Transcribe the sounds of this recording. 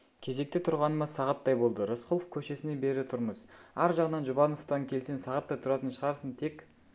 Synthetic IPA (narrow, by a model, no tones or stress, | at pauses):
kʲʰe̞ze̞k̚t̪et̪ʰʊɾʁɑnəmɑsɑʁɑt̪ːɑjbo̞lˠd̪əɾosqolˠofkʲʰɵʃe̞sɪne̞be̞ɾɪt̪ʰʊɾməz̥ɑɾʒɑʁənɑnʒʊbɑno̞ft̪ɑŋkʲʰe̞lsensɑʁɑt̪ːɑjt̪ʰʊɾɑt̪ənʃəʁɑɾsənt̪ʰe̞k